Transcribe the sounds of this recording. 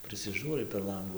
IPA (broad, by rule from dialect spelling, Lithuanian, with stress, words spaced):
pʲrʲɪsʲɪˈʒuːrɐɪ pʲɛr ˈlˠɐŋɡuː